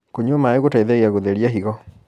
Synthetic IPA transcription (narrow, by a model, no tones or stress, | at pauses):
koɲɔmaeɣotaiðɛɣeaɣoðeɾiaɦiɣɔ